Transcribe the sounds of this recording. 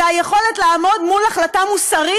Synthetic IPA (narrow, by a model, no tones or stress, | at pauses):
ajeχo̞letlaːmo̞d̪mulaχlatamusaʁi